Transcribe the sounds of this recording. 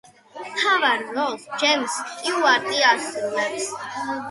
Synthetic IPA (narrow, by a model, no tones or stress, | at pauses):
t̪ʰavaɾːɔld͡ʒɛmskʼiuaɾt̪ʼiasɛlɛps